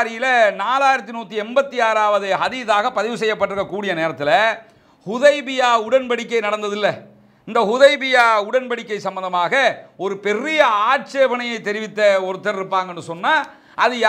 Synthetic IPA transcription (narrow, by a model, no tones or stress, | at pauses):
ɾɪjɪlɐnaːlaːjɪɾɐt̪ːɪnuːt̪ːiɛmbɐt̪ːiaːɾaːʋɐðɯɐðɪðaːɣɐpːɐðɪʋɯsɛjːɐpːɐʈːɪɾɯkːɐkːuːɽɪjɐneːɾɐt̪ːɪlɐ | hʊðɐɪbɪjaːʊɽɐnbɐɽɪkːɐɪnɐɽɐnd̪ɐðɪlːɐ | ɪnd̪ɐhʊðɐɪbɪjaːʊɽɐnbɐɽɪkːɐɪsɐmbɐnd̪ɐmaːɣɐɔɾɯpɛrɪjɐaːʈ̚seːʋɐnɐjɐɪt̪ːɛɾɪʋɪt̪ːɐɔɾɯt̪ːɐɾɪɾɯpːaːŋɡɐnːɯsɔnːaː | ʔɐðɯj